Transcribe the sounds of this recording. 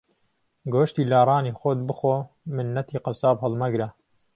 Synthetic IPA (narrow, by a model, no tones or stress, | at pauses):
ɡoːʃt̪iːlaːrˤɑːniːxot̪̚bɨxoː | mɨnːɐt̪ʰiːqɑsaːbhɨlmɐɡɾa